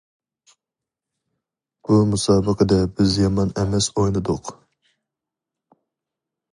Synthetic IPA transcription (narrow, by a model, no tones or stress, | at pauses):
b̥umusɑːbəqəd̪ɛbɪzjɑmɑnɛmɛsojnɨd̪ʊq